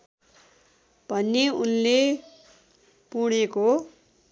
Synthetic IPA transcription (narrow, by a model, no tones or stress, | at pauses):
b̥ʱʌnːeunle | puɽ̃eko